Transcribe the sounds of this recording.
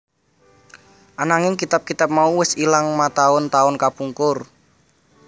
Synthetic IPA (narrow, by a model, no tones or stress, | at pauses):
ʔanaŋɪŋkit̪ap̚kit̪ap̚mauwɪsilaŋmat̪aʊnt̪aʊnkapuŋkʊr